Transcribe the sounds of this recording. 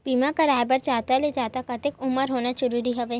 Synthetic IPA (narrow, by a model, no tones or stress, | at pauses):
biːmakaɾaːjbəɾt͡ʃaːt̪aled͡ʒaːt̪akɐt̪ɪkʊməɾɦoːnaʃʊɾuːɾiɦɛʋeː